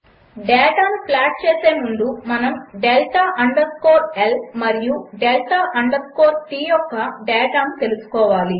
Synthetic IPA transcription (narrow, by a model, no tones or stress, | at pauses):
ɖeːjʈaːmplaːʈ̚t͡ʃeːseːmuɳd̪umɐnɐmɖelʈʰaːʔɐɳɖɐɾskoːɾelmɐɾijuɖelʈʰaːʔɐɳɖɐɾkoːɾʈiːjɔkːɐɖeːʈaːmt̪e̞lusu̥kɔːʋaːli